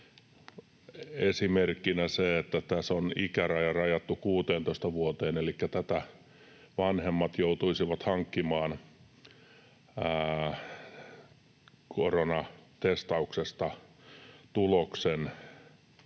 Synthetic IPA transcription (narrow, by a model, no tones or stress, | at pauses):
esimerkːinæseet̪ːæt̪æsonikærɑjɑrɑjɑt̪ːukuːt̪eːnt̪oist̪ɑʋuot̪eːnelikːæt̪æt̪æ | ʋɑnhemːɑt̪jout̪uisiʋɑt̪hɑŋkːimɑːn | koronɑt̪est̪ɑuksest̪ɑ | t̪uloksen